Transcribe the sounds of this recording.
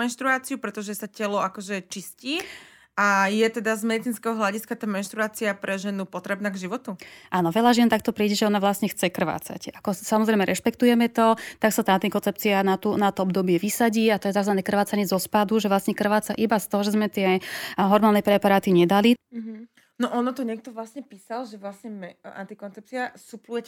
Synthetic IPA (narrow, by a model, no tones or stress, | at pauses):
mɛnʃt̪ɾuaːt͡siupɾɛt̪ɔʒɛsacɛlɔakɔʒɛt͡ʃisciː | ajɛt̪ɛd̪azmɛd̪it͡sinskɛɦɔɦlaɟiskat̪aːmɛnʃt̪ɾuaːt͡siapɾɛʒɛnupɔt̪ɾɛbnaːɡʒiʋɔt̪uʔaːnɔʋɛʎaʒɪɛnt̪ak̚t̪ɔpɾiːɟɛʒɛɔnaʋlasɲɛxt͡sɛkr̩ʋa̰ːt͡sa̰cakɔsamɔzɾɛjmɛɾʔɛʃpɛkt̪ujɛmɛt̪ɔt̪aksat̪aːnt̪ikɔnt͡sɛp̚t͡sianat̪unat̪ɔɔbd̪ɔbɪɛʋisaɟiːat̪ɔjɛzaznanɛkr̩ʋaːt͡saɲɛzɔspad̪uʒɛʋlasɲɛkr̩ʋaːt͡saʔibast̪ɔɦɔʒɛzmɛt̪ɪɛɦɔɾmaːlnɛpɾɛpaɾaːt̪iɲɛd̪aliɦ̩ | nɔʔɔnɔt̪ɔɲɛk̚t̪ɔʋlasɲɛpiːsalʒɛʋlasɲɛmɛa̰nt̪ikɔnt͡sɛp̚t͡siasuplujɛc